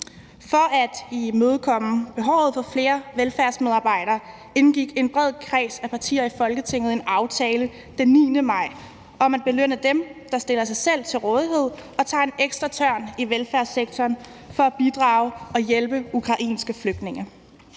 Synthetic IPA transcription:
fɒ̽ʔæd̥imøːð̞ˠkʰɒ̽m̰̩b̥e̝ɦɒʊ̰ð̞̩ˠfɒ̽fle̝ːɐʋelfæɐsmeð̞ˠɑ̈ːb̥ɑ̈ɪ̰ɾ̥ɐː | e̝nɡ̥iɡ̥e̝nb̥ʁɛð̰ˠkʰʁɛ̰ːsæpʰɑ̈t͡sʰḭːɐifɒ̽lɡ̥ət͡sʰe̝ŋ̰ð̩ˠe̝nɑ̈ʊt͡sʰɛːlə | d̥enːḭːnəmɑ̈ɪ̰ | ʔɒ̽mænb̥e̝løn̰əd̥emd̥ɑ̈sd̥e̝lɐsɑ̈ɪsel̰t͡sʰe̝lʁɔ̽ːð̞ˠiɦe̝ð̞̰ˠɒ̽t͡sʰɑ̰̈e̝neɡ̥sd̥ʁɑt͡sʰɶɐ̰niʋelfæɐseɡ̥̚t͡sʰɒːnfɒ̽æb̥id̥ʁɑ̈ːʊɒ̽jelb̥əukʰʁɑ̈ʔḭːnsɡ̥əfløɡ̥̚d̥ne̝ŋɐ

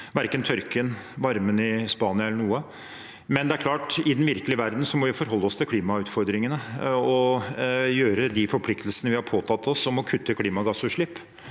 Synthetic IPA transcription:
ʋæɾkənt̪ʰœɾkɪənʋɑɾmənɪspɑːnɪɑɛlːəɳuːə | mɛnd̪ɛæɾkʰlɑːʈɪd̪ɛnʋɪɾkəlɪəʋæɾd̪n̩sɔmɔʋɪfɔɾɦɔlːəɔst̪ʰɪlkʰliːmɑʉːt̪fɔɾd̪ɾɪŋənəɔ | jøːɾəd̪ɪfɔɾpʰlɪkt̪lsənəʋɪhɑɾpʰoːt̪ʰɑt̪ʰːɔsɔmɔkʰʉt̪ʰːəkʰliːmɑɡɑsʉːʂɭɪpː

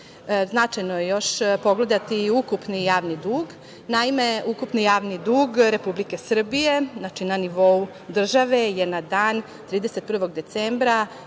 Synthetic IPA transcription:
znat͡ʃajnojejo̞ʃpo̞ɡle̞d̪at̪iːukupnijaːʋnid̪uːɡ | naime̞ukupnijaːʋnid̪uːɡɾe̞publike̞sr̩bije̞nat͡ʃinaniʋo̞u | d̪r̩ʒaʋe̞jenad̪aːn | t̪ɾiːd̪ese̞t̪̚pr̩ʋo̞ɡd̪e̞t̪seːmbɾa

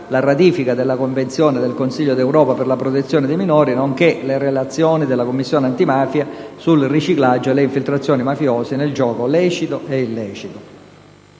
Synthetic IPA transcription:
larat̪iːfikad̪elːakoɱvent̪sjɔːned̪elkonsiʎːod̪ewɾɔːpaperlapɾot̪et̪sːjɔːned̪eminɔːɾinoŋkelerelat̪sːjɔːnid̪elːakomːisːjɔːneant̪imaːfjasulrit͡ʃiklad͡ʒːoelːeiɱfilt̪ɾat̪sːjɔːnimafjɔːseneld͡ʒɔːkolɛːt͡ʃit̪oʔeilːɛːt͡ʃit̪o

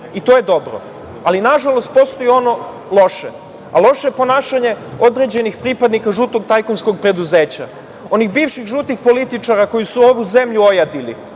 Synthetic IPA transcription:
it̪o̞je̞d̪o̞bɾo̰ | alinaʒalo̞st̪̚po̞st̪o̞jio̞no̞ | lˠo̞ʃe | alˠo̞ʃeepo̞naːʃaɲe̞o̞d̪ɾe̞d͡ʑe̞nixpɾipad̪nikaʒut̪o̞ɡ̚t̪ajkonsko̞ɡ̚pɾe̞d̪uze̞ːt͡ɕa | o̞nixbiːʋʃixʒut̪nixpo̞lit̪it͡ʂaɾako̞jisuo̞ʋuze̞mʎuo̞jad̪ilḭ

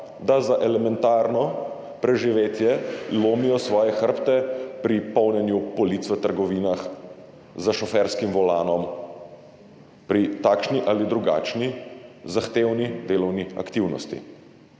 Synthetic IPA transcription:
d̪azaʔɛlɛmɛnt̪aːɾnɔ | pɾɛʒiʋeːt̪jɛloːmijɔsʋɔːjɛxəɾpt̪ɛpɾipɔwnɛnjubɔliːt̪sʋət̪əɾɡɔʋiːnax | zaʃɔfɛɾskimʋɔlaːnɔm | pɾit̪aːkʃniʔalid̪ɾuɡa̰ːt͡ʃnizaxt̪eːwnid̪eːlɔwnia̰kt̪iwnɔ̰st̪ḭ

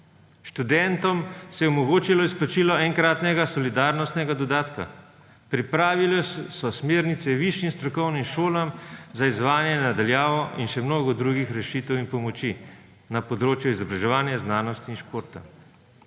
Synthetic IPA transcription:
ʃt̪ud̪ɛnt̪ɔmsɛjɛɔmɔɡoːt͡ʃilɔisplat͡ʃiːlɔɛŋkɾaːt̪nɛɡasɔlid̪aːɾnɔst̪nɛɡad̪ɔd̪aːt̪ka̰ | pɾipɾaːʋilɛsɔsmeːɾnit̪sɛʋiʃjimst̪ɾɔkɔwnimʃoːlamzaizʋaːnjɛnad̪aljaːʋɔʔinʃɛmnoːɡɔd̪ɾuɡixɾɛʃit̪ɛwinpɔmɔt͡ʃi | napɔd̪ɾoːt͡ʃjuizɔbɾaʒɛʋaːnjaznaːnɔst̪inʃpoːɾt̪a̰

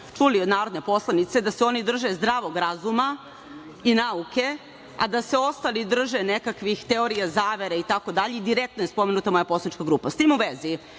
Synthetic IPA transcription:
t͡ʂuliod̪naːɾod̪nepo̞slˠanit̪se̞d̪aseo̞nid̪r̩ʒezd̪ɾaːʋo̞ɡɾazuma | inauke̞ | a̰d̪aseo̞st̪alid̪r̩ʒenekakʋixt̪eoɾijazaːʋeɾeit̪ako̞d̪aʎeid̪iɾek̚t̪nojespo̞me̞nut̪amo̞japoslanit͡ʃkaɡɾuːpast̪iːmuʋezi

